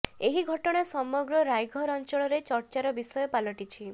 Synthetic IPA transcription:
eɦiɡʱɔʈɔɽ̃asɔmɔɡɾɔɾajɡʱɔɾɔnt͡ʃɔɭɔɾet͡ʃɔɾt͡ʃaɾɔbisɔjɔpalɔʈit͡ʃʰi

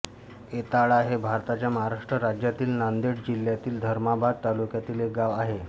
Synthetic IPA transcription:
et̪aɭaɦebʱaɾt̪at͡ɕjaməɦaɾaʂʈɾəɾad͡ʑjat̪iːlnand̪eɽd͡ʑiljat̪iːld̪ʱəɾmabad̪̚t̪alukjat̪iːlɦek̚ɡaʋaɦe

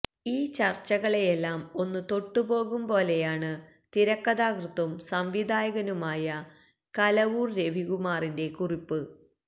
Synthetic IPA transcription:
iːt͡ɕɐrt͡ɕːɐɣɐɭejelːaːmo̞nːɨt̪o̞ʈːubo̞ːɣumpo̞ːle̞jaːɳɨ | t̪iɾɐkːɐðaːkrɨt̪ːɐmsɐmʋid̪ʱaːjɐɣɐnumaːjɐ | kɐlɐʋuːrɾe̞ʋiɣumaːrinde̞kuripːɨ

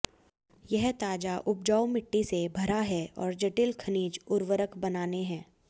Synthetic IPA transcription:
jɛɦt̪aːd͡ʒaʔʊp̚d͡ʒaːʊmɪʈːisebʱɐɾaɦɛɔːɾd͡ʒɐʈɪlkʰɐniːd͡ʒʊɾʋəɾəkbɐnaːneɦɛ̃ː

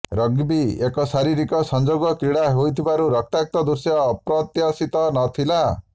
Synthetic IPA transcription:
ɾʌɡbiekɔsaɾiɾikɔsɔnd͡ʒoɡɔkɾiɽaɦojt̪ʰibaɾuɾʌk̚t̪ak̚t̪ɔd̪uɾsjɔːpɾɔt̪jasit̪ɔnɔt̪ʰila

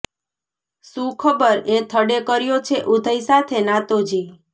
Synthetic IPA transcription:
sũkʰəbəɾet̪ʰəɽekəɾjot͡ʃʰeʔud̪ʱəisat̪ʰenãt̪od͡ʒi

